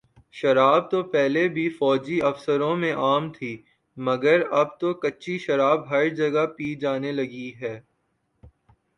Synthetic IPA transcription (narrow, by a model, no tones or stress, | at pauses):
ʃɐɾaːb̚t̪opɛɦlebʱifɔːd͡ʒiɐfsəɾõmẽʔaːmt̪ʰiː | mɐɡəɾɐb̚t̪okɐtːʃiʃɐɾaːbɦɐɾd͡ʒɐɡapiːd͡ʒaːnelɐɡiɦɛː